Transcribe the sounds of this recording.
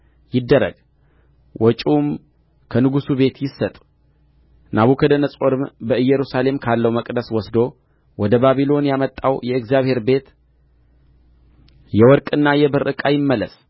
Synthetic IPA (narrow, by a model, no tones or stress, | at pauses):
jɪd̪ːəɾə̰ɡ | wɔt͡ʃʼum | kʰənɨɡusube̞t̪jɪsːət̪ʼu̥ | naβukʰəd̪ənəsʼoɾɨmbəɨjːɛɾusale̞mkʰalːəwməkʼd̪əswɔsd̪o̞ | wɔd̪əbaβilo̞njamət̪ʼːawjɛɨkzijaβhe̞ɾbe̞t̪ | jɛwɔɾkʼɨnːajɛbɨɾʔɨkʼajɪmːələs